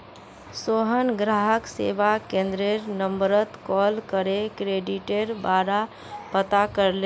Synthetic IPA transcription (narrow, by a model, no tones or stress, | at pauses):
soɦənɡɾaɦəksḛbakẽnd̪ɾeɾnəmbəɾət̪kɔlkəɾekɾeɖiʈeɾbaɾa | pət̪akəɾle